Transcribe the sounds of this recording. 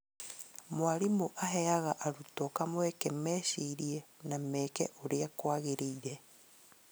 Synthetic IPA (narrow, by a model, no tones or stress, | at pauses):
mwaɾimuʔaɦɛaɣaʔaɾutɔkamwɛkɛmɛʃiɾiɛnamɛːkɛ̰ʔoɾeakwaɣeɾeiɾɛ